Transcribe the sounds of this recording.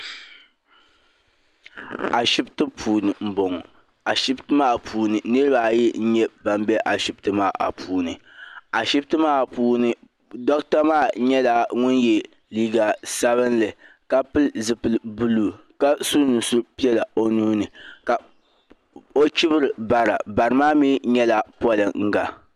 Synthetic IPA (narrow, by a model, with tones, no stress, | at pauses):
a˨ʃɪ˦btɨ˦pʰuː˨nɨ˨m̩˨bo˨ŋ˨ | a˨ʃɪ˦btɨ˦maː˦pʰuː˦˨nɨ˨nɨ˦ɾɨ˦ba˨jɛ˦n̩˦ɲɛ˦ba˨m˦bɛ˦ʔa˨ʃi˦btɨ˦maː˦˨ʔa̰˨pʰuː˦nɨ˨ | a˨ʃɪ˦btɨ˦maː˦˨puː˦nɨ˨ | dɔ˦kta˦maː˦˨˦ɲɛ˦la˨ŋʊ˦njɛ˨ | liː˦ɡa˨sa˦βɨ˦nlɨ˨ | ka˦pɨ˦lzɨ˨pɨ˨lbu˦luː˨ | ka˦su˦nɨ˨sʊ˦pi˦ɛ˦la˨o˦nuː˦nɨ˨ka˨ | o˦t͡ʃi˦bɨ˦ɾɨ˨ba˨ɾa˨ba˨ɾɨ˨˦maː˦mi˦ɲɛ˦la˨pɔ˦lɨ˨ŋ̩˦ɡa˨